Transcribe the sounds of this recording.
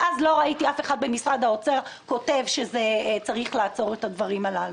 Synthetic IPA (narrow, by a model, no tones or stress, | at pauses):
ʔazlo̞ʁaitiafe̞χad̪̚be̞misʁad̪ao̞t͡se̞ʁko̞te̞vʃe̞zet͡saʁiχlaːt͡so̞ʁetad̪vaʁimalal